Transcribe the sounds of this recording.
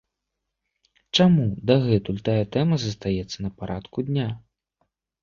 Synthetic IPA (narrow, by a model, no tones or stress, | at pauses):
t͡ʂamud̪ɐɣɛt̪ulʲt̪ajɐt̪ɛmɐzɐst̪ajɛt̪sːɐnɐpaɾat̪kud̪ʲnʲa